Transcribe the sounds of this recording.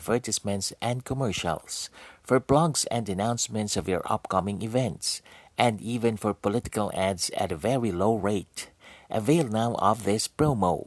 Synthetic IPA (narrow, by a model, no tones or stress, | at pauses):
vɜ˞tɨsmɛ̃ntsʔɛ̃nd̚kʰɔmɛɹʃə̰lˠsfɔɹplɔɡsɛ̰̃ndɨnãʊ̃nsmɛ̃ntsʌvjɔ̰ɹʔʌ̰p̚kʌmɪ̃ŋɪvɛ̃ntsʔɛ̃ndivɨ̃nfɔɹpɔlɪtɪ̥kəlˠædsæ̰təvɛɹiloʊɹeɪtʔəveɪlˠnaʊʔɔ̰vðɪspɹomoʊ